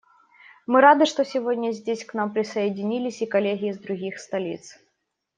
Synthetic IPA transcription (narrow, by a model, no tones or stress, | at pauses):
mɨɾad̪ɨʂt̪ɔsʲɪvodʲnʲɐzʲdʲesʲknampɾʲɪsɐjɪdʲɪnʲilʲɪsʲikɐlʲeɣʲɪjːzd̪ɾʊɣʲixst̪ɐlʲḭt̪s